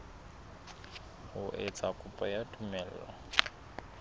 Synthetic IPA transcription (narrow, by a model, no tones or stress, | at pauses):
hʊʔet͡sʼakʼʊpʼajatʰʼumɛːl̩ːa̰